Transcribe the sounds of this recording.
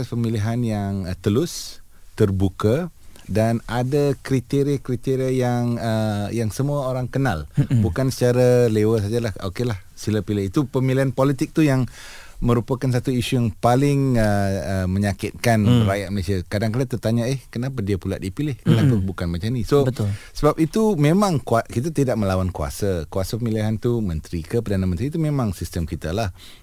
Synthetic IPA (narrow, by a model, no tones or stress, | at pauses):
aspəmiliɦanjaŋt̪əlʊs | t̪ərbukadanadakɾit̪eɾikɾit̪eɾiajaŋəjaŋsəmuaoɾaŋkənalbukansə̥t͡ʃaɾalewəs̬ad͡ʒalaho̰kelah | siləpilɪhit̪upəmiliɦanpɔlit̪ɪk̚t̪ujaŋmə̃ɾupakans̬at̪uisujaŋpalɪŋəəmə̃ɲakɪt̪̚kanəɾajaʔ̪̚məlesiakadaŋkadat̪ət̪aɲaehkənapadiapula̰ʔ̚dipilɪhkənapabukanmat͡ʃamnisobət̪lsəbap̚it̪umẽmãŋkuakit̪̬at̪idaʔ̚məlawankua̰sakuasapəmiliɦant̪umə̃nt̪ɾikəpərdanamə̃nt̪ɾiːt̪umẽmãŋsist̪əmkit̪alah